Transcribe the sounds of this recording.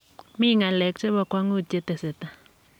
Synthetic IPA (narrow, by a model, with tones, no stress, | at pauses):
mi˦˨ŋa˨lɛ˨˦k̚t͡ʃe˦ba˧kʷa˦ŋu˦˨t̪̚t͡ʃe˧t̪e˨se˨t̪a˦